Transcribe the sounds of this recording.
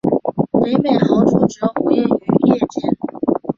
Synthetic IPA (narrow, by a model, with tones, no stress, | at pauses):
me˧˥ɪme˨˩ɪxɑ˧˥ʊʈ͡ʂʰu˥˩ʈ͡ʂɤ˧˥ŋxe˥y˧˥jɛ˥˧t͡ɕjɛ˥˩n